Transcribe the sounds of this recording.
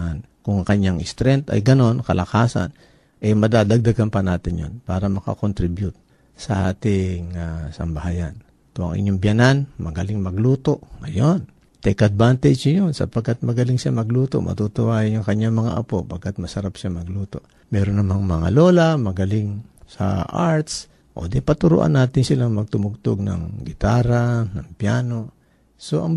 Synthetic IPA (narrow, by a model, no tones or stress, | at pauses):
an | kʊŋŋkɐɲːaŋʔɪst̪ɾɛnt̪ɐ̰jɡɐno̞nkɐlʔɐkaːsa̰n | ʔɛmɐd̪aːd̪ɐɡ̚d̪aɡanpɐnaːt̪ɪnjo̰npaːɾɐmɐka̰kont̪ɾɪbjʊt̪̚ | sɐʔaːt̪ɪŋasɐ̰mbɐhaːjan | t̪oɐ̰ŋʔɪ̰ɲːoŋbjananmɐɡɐlɪŋmɐɡluːt̪o̞ʔŋɐjon | t̪ɛkɐd̪̚bant̪ɛd͡ʒjonsɐ̰pɐɡ̚kːat̪̚mɐɡɐliŋʃamɐɡluːt̪o̞̰mʔɐ̰t̪ut̪ʊʔaːjɪnʊŋkɐɲːaŋmɐŋa̰ʔɐpo̞pɐɡ̚kːat̪̚mɐsɐɾapʃamɐɡluːt̪o̞̰ʔ | mɛːɾonːɐmaŋmɐŋa̰lo̞ːlamɐɡɐlɪŋsɐ̰ʔaɹt̪s | ʔo̞̰d̪ɛpɐt̪ʊɾo̰ʔa̰nːaːt̪ɪnsɪlaŋmɐɡ̚t̪ʊmʊɡ̚t̪oɡ̚nɐ̰ŋɡɪt̪aːɾanɐŋpjaːno̞ | so̞ʔɐŋ